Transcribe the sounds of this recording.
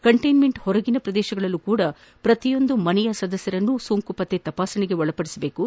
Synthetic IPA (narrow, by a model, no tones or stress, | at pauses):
kɐɳʈɐjnmeɳʈhɔɾɐɡinɐpɾɐd̪ɛːʃɐɡɐɭɐlːukuːɽɐ | pɾɐt̪ijo̞nd̪umɐnɛjɐsɐd̪ɐsjɐɾɐnːusoːŋkupɐt̪ːet̪ɐpaːsɐniɡe̞ɔɭɐpɐɽisɐbe̞ːku